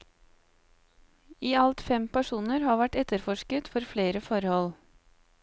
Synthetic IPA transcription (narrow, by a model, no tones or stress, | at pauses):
iːɑlt̪fɛmpæʃuːnəɾhɑːʋæʈɛt̪əɾfɔʃkət̪fɔɾfleːɾəfɔɾhɔl